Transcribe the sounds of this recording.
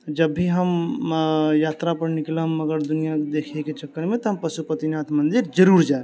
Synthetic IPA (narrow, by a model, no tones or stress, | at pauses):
d͡ʒəbːiɦəm | jat̪ɾapəɾniklɦəməɡəɾd̪unijad̪ekʰeket͡ʃəkːəɾmet̪ɔɦəmpəsupət̪inat̪ʰmənd̪iɾd͡ʒəɾuɾd͡ʒae